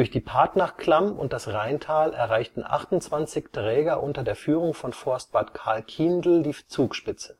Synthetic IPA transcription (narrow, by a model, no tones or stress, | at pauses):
ʊɐçd̥iːpʰaɐtnaχkl̥amʊ̰nt̚d̥asʁaɪntʰaːlɛ̰ɐʁaɪçtn̩ʔa̰χtʊnt͡sv̥ant͡sɪçtʁ̥ɛːɡɐʔʊntɐdeːɐfyːʁʊŋfɔnfɔɐst̚b̥aɐtkʰaɐlkʰiːndl̩diːt͡suːkʃpɪt͡sə̥